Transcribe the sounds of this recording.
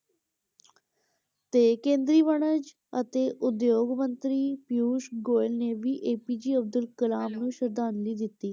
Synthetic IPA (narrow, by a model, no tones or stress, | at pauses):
t̪ekẽːnd̪ɾiːʋəɽ̃əd͡ʑ | ət̪eʔʊd̪joːɡmənt̪ɾiːpjuːʃɡoːjlneʋiːʔeːpid͡ʑiːəb̚d̪əlkəlaːmnũːʃəɾd̪aːnliːd̪it̪iː